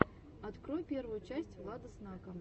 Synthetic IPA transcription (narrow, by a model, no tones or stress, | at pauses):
ɐt̪kɾojpʲe̞rvʊjʊt͡ɕæsʲtʲvlˠad̪əsnkɐm